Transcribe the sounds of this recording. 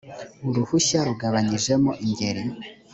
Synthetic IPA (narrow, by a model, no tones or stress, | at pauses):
uɾuhuʃaɾuɡaβaɲiʒe̞moʔiɲɟe̞ɾi